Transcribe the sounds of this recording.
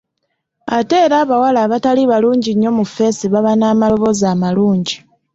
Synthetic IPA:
ate̞ːɾaːβawalaβataliβaluːɲɟiɲːo̞mufe̞siβaβanaːmao̞βo̞zaːmaluːɲɟi

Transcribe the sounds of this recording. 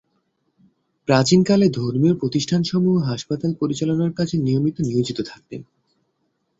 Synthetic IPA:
pɾat͡ɕinkaled̪ʱoɾmioɾpɾot̪iʃʈʰanʃɔmuɦoɦaʃpat̪alpoɾit͡ɕalonaɾkat͡ɕʰenijomit̪oniod͡ʑit̪ot̪ʰak̚t̪ḛn

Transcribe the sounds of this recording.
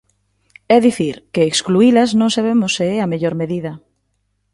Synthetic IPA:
ɛðiθiɾkeːkskluilɐznõŋsaβ̞emʊseɛameʎoɾmeðiðɐ

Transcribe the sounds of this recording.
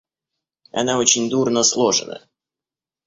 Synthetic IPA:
ɐ̰naot͡ɕɪnʲd̪urnəslˠoʐɨ̰nə̰

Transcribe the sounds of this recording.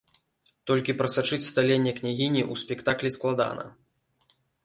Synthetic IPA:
t̪ɔlʲkʲipɾɐsat͡ʂɨt͡sʲst̪alʲenʲːɛknʲaɣʲinʲiʔusʲpʲɛkt̪aklʲisklˠad̪a̰nɐ̰

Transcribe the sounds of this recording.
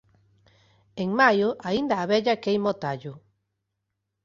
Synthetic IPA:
eŋmajʊʔaind̪aːβɛʎakejmot̪aʎʊ

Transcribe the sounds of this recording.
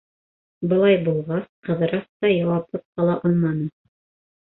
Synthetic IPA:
bɤ̆lˠɑjbulˠʁɑsqɤ̆ðɤ̆ɾɑst̪ɑjɑwɑplˠɤp̚qɑlˠɑʔɑlˠmɑnɤ

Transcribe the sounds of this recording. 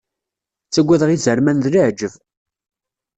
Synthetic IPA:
t͡sːæɡʷːæðəʁizəɾmænðləʕd͡ʒəv

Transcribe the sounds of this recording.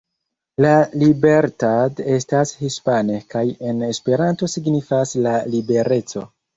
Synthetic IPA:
lalibe̞ɾtade̞stashispane̞kaje̞ne̞spe̞ɾanto̞siɡnifaslalibe̞ɾe̞t͡so̞

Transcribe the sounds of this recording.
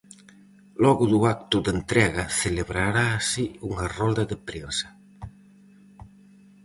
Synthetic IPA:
lɔɣʊðuak̚t̪ʊðent̪ɾɛɣaθeleβɾaɾaːsiuŋarɔld̪aðepɾesɐ̥

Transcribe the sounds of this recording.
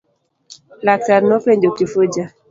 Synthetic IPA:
latanɔpɛɲd͡ʒokifud͡ʒa

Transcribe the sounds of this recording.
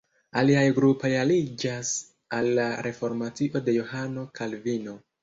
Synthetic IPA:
aliajɡɾupojalid͡ʒas | alːaɾʔe̞fo̞ɾmatiʔo̞de̞johano̞kʰalvino̞

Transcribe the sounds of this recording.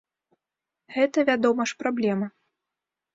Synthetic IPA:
ɣɛt̪ɐvʲad̪ɔmɐʂpɾablʲɛmɐ

